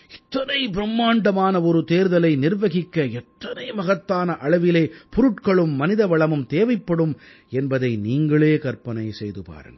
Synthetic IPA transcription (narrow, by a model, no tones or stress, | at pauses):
ɪt̪ːɐnɐɪbɪɾɐmːaːɳɖɐmaːnɐɔɾɯt̪eːɾðɐlɐɪnɪrʋɐɣɪkːɐɛt̪ːɐnɐɪmɐɣɐt̪ːaːnɐʔɐɭɐʋɪleːpʊɾʊʈkɐɭɯmːɐnɪðɐʋɐɭɐmɯmt̪eːʋɐɪpːɐɽɯm | ɛnbɐðɐɪniːŋɡɐɭeːkɐɾpɐnɐɪsɛjðɯpa̰ːɾɯ̰n